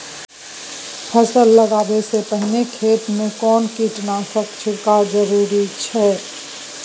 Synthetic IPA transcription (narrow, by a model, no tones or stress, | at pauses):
pʰəsəlːəɡaːbesepəɦɪnekʰeːt̪mẽkɔːnkiːʈnasəkt͡ʃʰəkad͡ʒəɾuːɾit͡ʃʰɛː